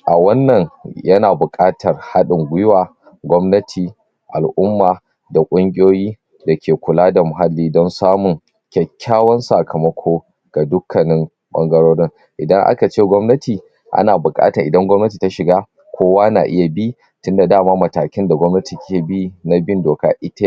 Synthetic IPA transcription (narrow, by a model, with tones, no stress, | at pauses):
ʔa˨wɐ˦nːɐ˨ŋjɐ˦naː˨bʊ˨kʼaː˦tʰɐ˨rha˦ɗɪ˨ŋɡʷʊ˦jʊ˦waː˨ | ɡʷɔ˦mnɐ˦tʰiː˨ | ʔa˨lʔʊ˦mːaː˨ | da˨kʷʼʊ˦ŋkʲʼɪ˦joː˦jiː˦ | da˨kʲeː˨kʷʊ˨laː˦da˨mʊ˨ɦa˦lːiː˦dɔ˦nsaː˦mʊ˨ŋ | kʲɛ˨kʲːaː˦wɐ˦nsa˨kʰɐ˨mɐ˦kʷʰoː˦ | ɡ̥a˨dʊ˦kʰːɐ˨nɪ˦m | ɓɐ̰˦ŋɡɐ˦ɽoː˦ɽɪ˦ŋ | ʔɪ˨dɐ˦ŋʔa̰˦ka˨t͡ʃeː˦˨ɡʷɔ˦mnɐ˦tiː˨ | ʔa̰˦naː˨bʊ˨kʼa̰ː˦tɐ˨ʔɪ˨dɐ˦ŋɡʷɔ˦mnɐ˦t̬iː˨ta˦ʃɪ˨ɡaː˦ | kʷoː˦waː˦na̰ː˨ʔɪ˦ja˨bi˦ | tʊ˦nda˨daː˦˨maː˦mɐ˨taː˨kʲɪ˦nda˨ɡʷɔ˦mnɐ˦ti˨kʲʰeː˦˨bi˦na˦bɪ˦ndoː˨ka̰ː˦ʔɪ˦ta˦